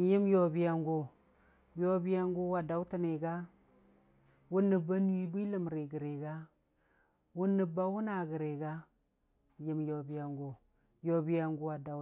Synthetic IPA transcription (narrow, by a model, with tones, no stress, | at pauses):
ji˦mjo˨bi˦ja˨ŋɡo˨ | jo˦bi˦ja˦ŋɡu˦wa˨da˨˦wti˦ne˨ɡa˦ | wu˦nːə˨ba˦n˦wi˦bi˦lə˦˨mɾi˨ɡə˨ɾe˨ɡa˦ | wu˦nːə˨ba˦wu˦na˨ɡə˨ɾe˨ɡa˦˨ | ji˦mjo˨bi˨ja˨ŋɡo˨ | jo˨bi˦ja˨ŋɡu˦wa˨da˨